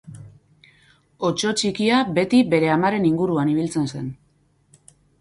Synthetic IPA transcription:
o̞t͡ʃo̞t͡ʃikiabe̞t̪ibe̞ɾe̞amaɾe̞niŋɡuɾuaniβ̞ilt͡se̞nse̞n

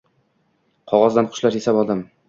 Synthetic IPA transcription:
qʰɒʁɑzd̪anqʰʊ̥ʃlaɾjesabɒlˠd̪ɪm

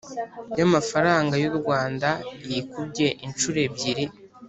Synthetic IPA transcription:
jamafaɾaːŋɡajuɾɡwaːndajikubɟe̞ʔint͡ʃuɾe̞bɟiɾi

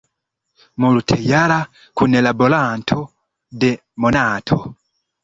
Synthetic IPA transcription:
mulutʰɛjala | kunɛlabɔlaːntʰɔ | dɛ | mɔnaːtʰɔ

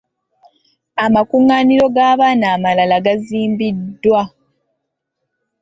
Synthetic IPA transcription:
amakuŋːaːniɾo̞ɡaːβaːnaːmalalaɡaziːmbidːwa

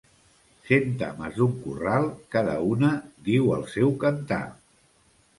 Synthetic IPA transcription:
sent̪a̰məzðuŋkuralˠkaðə̰unəd̪iwəlˠsɛwkənt̪a̰

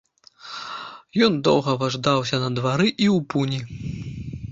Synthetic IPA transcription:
jɔnd̪ɔ̰wɣɐvaʐd̪awsʲɐnɐd̪vaɾɨʔiwpunʲi

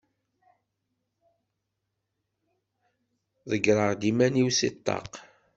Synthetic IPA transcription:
ðəɡɾˤəʁd̪imæniwsit̪ˤːɑ̰q

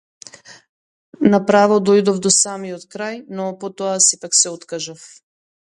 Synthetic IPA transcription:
napɾavɔd̪ojd̪ɔvd̪ɔsamiɔt̪kɾajnɔpot̪ɔasɛpaksɛot̪kaʒaf

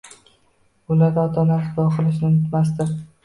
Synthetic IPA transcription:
ʊlaɾd̪aɒt̪ʰanaɾsb̪ɒqʰɨlˠɪʃnɪʊnɪt̪mas̬d̪ɪ

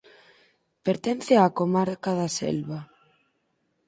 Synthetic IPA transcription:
peɾt̪ɛn̟θɪakomaɾkaðasɛ̰lβa

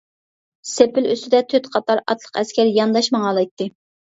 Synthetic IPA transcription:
sepɪløst̪ɪd̪ɛt̪ʰøt̪qʰɑt̪ɑɾɑ̰t̪ʰlˠə̥qɛskʲæɾjɑnd̪ɑʃmɑŋɑlˠɑjt̪ːɨ

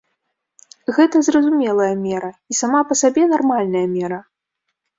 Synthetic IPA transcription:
ɣɛt̪ɐzrɐzumʲɛlˠɐjɐmʲɛɾɐisamapɐsabʲɛnarmalʲnɐjɐmʲɛɾɐ

